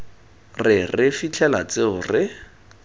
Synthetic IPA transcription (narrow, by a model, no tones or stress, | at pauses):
rɪrɪfit͡ɬʰɛlat͡seʊrɪ